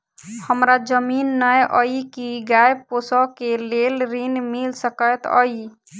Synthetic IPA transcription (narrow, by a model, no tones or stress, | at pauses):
həmɾad͡ʒəminːəjʔəikiɡajposɔkelelɾinmilsəkət̪ə̰i